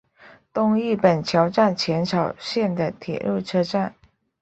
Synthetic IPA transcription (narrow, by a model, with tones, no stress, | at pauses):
t̪ʊ˥˧ŋi˥˩pə˨˩nt͡ɕʰjɑ˧˥ʊʈ͡ʂa˥˩nt͡ɕʰjɛ˧˥nʈ͡ʂʰɑ˨˩ʊɕjɛ˥˩nd̪ə˩t̪ʰjɛ̰˨˩ɻu˥˩ʈ͡ʂʰɤ˥ʈ͡ʂa˥˩n